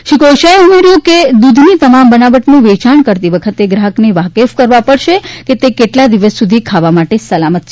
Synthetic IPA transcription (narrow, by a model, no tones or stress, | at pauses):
ʃikoʃaeumeɾjũked̪ud̪ʱnit̪əmambənabəʈnũʋet͡ʃaɳkəɾt̪iʋəkʰət̪eɡɾaɦəkneʋakefkəɾʋapəɽʃeket̪ekeʈlad̪iʋəsːud̪ʱikʰaʋamaʈesəlamət̪̚t͡ʃʰe